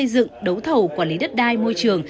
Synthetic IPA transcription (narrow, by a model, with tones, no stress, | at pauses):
ə˧jzɨ̰˧˨ŋɗə˨˦wt̪ʰə˨˩wkwaː˧˩nli˨˦ɗə˦˥t̚ɗaː˧jmo˧jt͡ɕɨ˨˩əŋ